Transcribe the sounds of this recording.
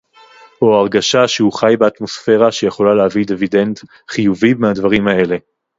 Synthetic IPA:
o̞aʁɡaʃaʃehuχajbeat̪mo̞sfe̞ʁaʃejeχo̞laleavid̪evide̞nt | χijuvibmehadvaʁimae̞le̞

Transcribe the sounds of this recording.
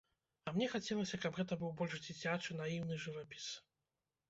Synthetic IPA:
ɐmnʲɛxat͡sʲɛlˠɐsʲɐkabɣɛt̪ɐbɨwbɔlʲʂd͡zʲit͡sʲat͡ʂɨnajiwnɨʐɨvapʲi̥s

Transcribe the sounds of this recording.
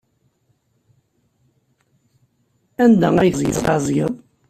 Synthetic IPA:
ænd̪æ̰æjəzˤjə̰ðˤɑzˤjə̰ðˤ

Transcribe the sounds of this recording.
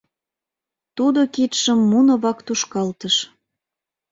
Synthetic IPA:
t̪ud̪okit̪ʃəmːunŏβɑkt̪uʃkɑlt̪əʃ

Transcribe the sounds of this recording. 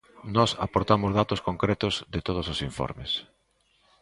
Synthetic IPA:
nɔsa̰poɾt̪amʊzðat̪ʊskoŋkɾɛt̪ʊzðɪt̪oð̞ʊsosiɱfɔ̰ɾmɪs

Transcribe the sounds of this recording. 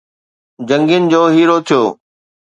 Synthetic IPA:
d͡ʑə̃ŋɡijənɪ̆d͡ʑoːɦiːɾot̪ʰijoː

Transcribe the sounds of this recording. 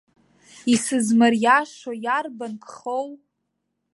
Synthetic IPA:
isɨzmarjaʃojarbankʰʼχow

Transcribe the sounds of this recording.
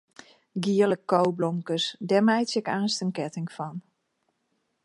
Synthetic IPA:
ɡiələkːowblomkəsdɛmɛjtsɪkaːnstənkɛtɪŋfɔn

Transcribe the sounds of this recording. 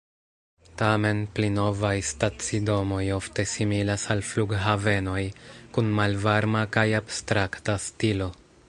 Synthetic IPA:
tame̞nplino̞vajstat͡sido̞mo̞jo̞fte̞similasalfluɡɦave̞no̞jkunmalvaɾmakajabstɾaktastilo̞

